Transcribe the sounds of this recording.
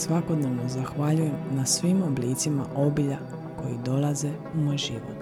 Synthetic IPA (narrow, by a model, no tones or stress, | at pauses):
sʋako̞d̪ne̞ʋnozaxʋaʎuje̞mnasʋimo̞blit̪simaʔo̞biʎa | ko̞jḭd̪o̞lˠaze | umojʒiʋo̰t̪